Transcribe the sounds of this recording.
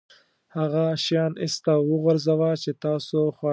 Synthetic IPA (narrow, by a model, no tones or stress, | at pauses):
haɣaʃjɑnɪst̪awəɣaɾzawat͡ʃet̪ɑːsoxwɑ